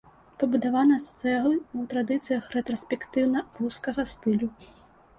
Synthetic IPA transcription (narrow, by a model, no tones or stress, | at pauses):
pɐbud̪avanɐst̪sɛɣwt̪ɾad̪ɨt̪sɨjɐxɾɛt̪ɾɔsʲpʲɛkt̪ɨwnɐruskɐɣɐst̪ɨlʲu